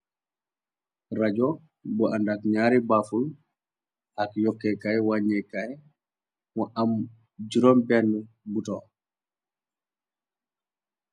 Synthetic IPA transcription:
rad͡ʒɔ | bɔʔandakɲaːɾibaful | akjɔkːɛkajwaɲːɛkaj | mɔʔam | d͡ʒiɾɔmbɛnːɛ | butɔ

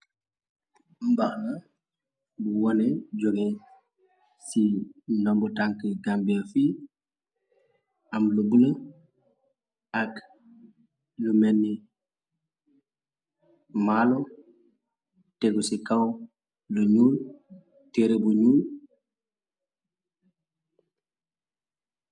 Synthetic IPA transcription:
mbaxna | buwɔneɟoɡe | sinambutaŋkəɡambiafi | amlubunə | ak | lumenːi | malo | teɡusikaw | luɲuːl | teɾebuɲuːl

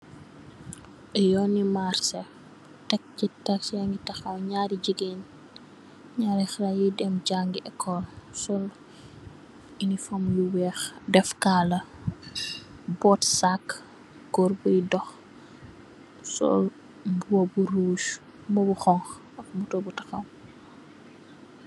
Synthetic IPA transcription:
ʔɛjɔnimaɾsɛ | tɛk̚citaksjɛŋɡitɐxɐwɲaːɾiɟiɡen | ɲaːɾixɾajidɛmɟaŋɡiʔɛkʰːɔlsɔl | inifɐmjuwɛːxdɛfkaːlɐ | bɔːtsakː | ɡɔrbɔjdɔx | sɔ̰l | buwɐbuɾuːʃ | mbɔbuxɔŋx | ɐk̚mutɔbutɐxɐw

